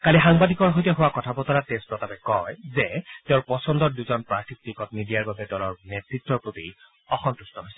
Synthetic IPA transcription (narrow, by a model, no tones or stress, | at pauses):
kalixaŋbadʱikɔɹɦojtɛɦʊwakɔtʰabɔtɔɹatestɹɔtabɛkɔjzɛteʊ̃ɹpɔsɔndɔɹduzɔnpɹakʰik̚tikɔtnidijaɹbabɛdɔlɔɹnɛtɹitːɔɹpɹoti | ɔxɔnt̪ustɔɦojsɛ̥